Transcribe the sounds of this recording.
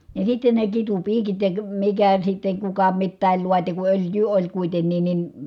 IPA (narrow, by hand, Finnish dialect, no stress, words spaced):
jɑ sitːen ne kitupiːkit jɑ mikæ sitːeŋ kukɑ mitːæˑil luɑti ku øljˑyː olʲ kuitenːin ni